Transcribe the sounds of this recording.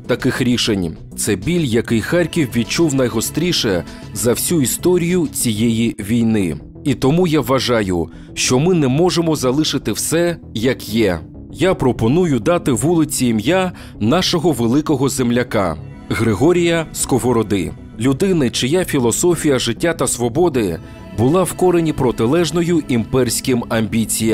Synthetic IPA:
t̪ɐkɪxɾʲiʃenʲ | t̪sɛbʲilʲjɐkɪjxaɾʲkʲiwʋʲid̪̚t͡ʃuwnɐjɦɔst̪ɾʲiʃɛ | zɐwsʲuist̪ɔɾʲijʊt͡sʲijɛjiʋʲijnɪ | it̪ɔmujaʋːɐʒɑjʊ̰ | ʃt͡ʃɔmɪnɛmɔʒemɔzɐlˠɪʃɪt̪ɪwsɛjɐkjɛ | japɾɔpɔnujʊd̪ɑt̪ɪʋulˠɪt͡sʲiːmja | nɑʃɔɦɔʋelˠɪkɔɦɔzemlʲɐka̰ | ɣɾɪɦɔɾʲijɐskɔɦɔɾɔd̪ɪ̰ | lʲʊd̪ɪnɪt͡ʃɪjafʲilˠɔsɔfʲijɐʒɪtʲːat̪ɐsʋɔbɔd̪ɪ | bʊlˠɑwkɔɾenʲipɾɔt̪ɪlˠɛʒnɔjʊʔimpɛrsʲkʲɪmɐmʲbʲit͡sʲij

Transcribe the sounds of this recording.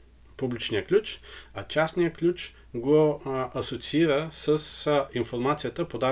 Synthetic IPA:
publit͡ʃnijəklʲut͡ʃɐt͡ʃasnijəklʲut͡ʃ | ɡoɐsot̪siiɾəsəsinfoɾmat̪sijət̪əpod̪a

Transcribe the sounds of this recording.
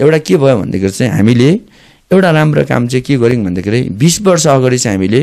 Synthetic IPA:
ewʈakebʱʌjobʱʌ̰nd̪a̰kʰeɾit͡sʌĩɦa̰mile | ewʈaɾamro̰ka̰mt͡saĩkeɡʌɾiŋbʱʌnd̪akʰiɾʌĩbisbʌrs̬ʌːɡʌɾit͡saĩɦamile

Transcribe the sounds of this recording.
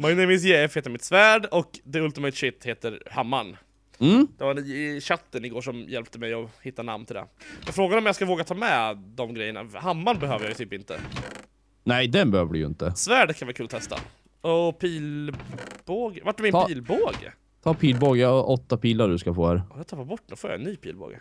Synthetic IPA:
majnɛmɪs̬jefeːt̪ːəɾmɪt̪svæːɖɔkd̪ɛɵlt̪ɪmɛɪt̪ɕɪt̪ːheːt̪əɾhamːaɳ | m̩ːd̪ɛvaɾɕat̪ːənɪɡoːʂɔmjɛlp̚t̪əmɛjɔhɪt̪ːana̰mnt̪ʰɪld̪ɛ̰jafɾoːɡad̪əɔmjɑskavoːɡat̪ʰɑːmɛd̪ɔmɡɾɛjːəɳa̰hamːaɳbɛɦøːvəɾjɑːjt̪ʰyːpɪnt̪ə̰ | nɛjd̪ɛnbɛhøːvəɖɪ̰jɵɪ̰nt̪əsvæːɖkʰanvːkʉːlɔt̪ʰɛst̪a̰ | ɔpʰiːl | boːɡvaʈ̚ːɵmɪnpiːlboːɡ | t̪ʰɑːpʰiːlboːɡəɔʔɔt̪ːapʰiːlaɖɵskafoːhæːɾjat̪ʰapːabɔʈːd̪ɔfoːja̰ɛ̰nːyːpʰḭːlbo̰ːɡə̰

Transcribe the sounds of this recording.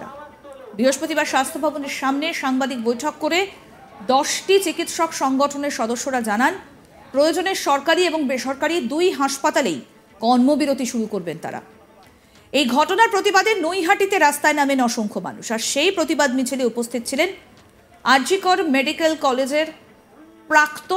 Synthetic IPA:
a̰ | bɾiɦoʃpɾot̪ibaɾʃast̪ʰobʱaboneɾʃamneʃaŋbad̪ik̚bojʈʰɔkːoɾe | d̪ɔʃʈit͡ɕikit̪ʃɔkʃɔŋɡɔʈʰoneɾʃɔd̪oʃːoɾad͡ʑanan | pɾojod͡ʑoneɾʃɔɾkaɾieboŋbeʃɔɾkaɾid̪ujɦaʃpat̪alej | kɔɾmobiɾod̪ʱiʃuɾukoɾbent̪a̰ɾa̰ | ejɡʱɔʈonaɾpɾot̪ibad̪enojɦaʈit̪eɾast̪aenamenɔʃoŋkʰoma̰nṵʃaɾʃejpɾot̪ibad̪mit͡ɕʰiliupost̪ʰit̪̚t͡ɕʰilen | aɾd͡ʑikɔɾmeɖikelkɔled͡ʑeɾ | pɾakt̪o

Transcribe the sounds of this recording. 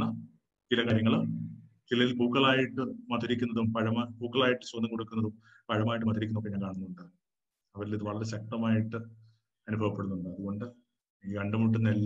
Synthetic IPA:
ɐ | t͡ɕilɐkaːɾjɐŋːɐɭ | t͡ɕilɐilbuːkːɐɭaːjiʈːɨmɐt̪iɾikʲːunːɐðumpɐɻɐmbʱuːkːɐɭaːjiʈːɨswonːɐmŋko̞ɽukːunːɐðum | pɐɻɐmaːjiʈːɨmɐt̪iɾikːunːokːeɲaːnkaːɳunːuɳɖɨ | ɐʋɐɾiliðɨʋɐɭɐɾeɕɐk̚ʈɐmaːjiʈːɨ | ɐnubʱɐʋɐpːe̞ɽunːuɳɖɨɐðuɣo̞ɳɖɨ | iːkɐɳɖɐmuʈ̬ːɨnelː

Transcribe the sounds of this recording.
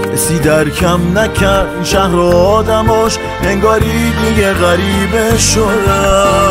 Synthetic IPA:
esid̪æɾkʲʰæmnækʲʰæɾnʃæhɾoːd̪æmɔʃ | heŋɡɒːɾid̪iɡeɣæɾibeʃod̪æ

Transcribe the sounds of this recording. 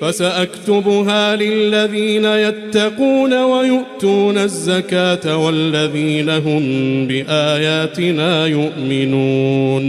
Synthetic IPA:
fasaʔakt̪ʊbʊɦaːlɪlːaðiːnajat̪ːɑquːnawajʊʔt̪uːnazːakaːt̪awalːaðiːnaɦʊmbɪʔaːjaːt̪ɪnaːjʊʔmɪnuːn

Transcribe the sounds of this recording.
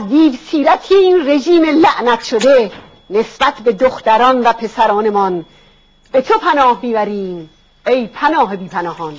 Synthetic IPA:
æzd̪iːvsiːɾæt̪ʰiːiːnre̞ʒiːmelæʔnæt̪ʰʃod̪e | ne̞sb̥æt̪ʰbe̞d̪oxt̪æɾɒːnvæpʰe̞sæɾɒːne̞mɒn | b̥e̞t̪ʰopʰænɒːhmiːbæɾiːm | ejpʰænɒːɦebiːpʰænɒːhɒn

